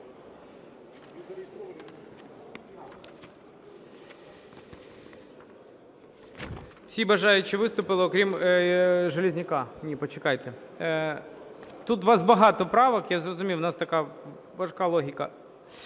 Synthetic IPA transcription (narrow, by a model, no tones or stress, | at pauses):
wsʲibɐʒɑjʊt͡ʃːɪʋɪst̪ʊpɪlˠɪɔkɾʲim | ʒelʲɪzʲnʲɪkɑnʲipɔt͡ʃɪkɑjt̪e | t̪ut̪ʋɑzbɐɦɑt̪ɔpɾɑʋɐkjazrɔzʊmʲijwnɑst̪ɐkɑ | ʋɐʃkɑlˠɔɦʲɪkɐ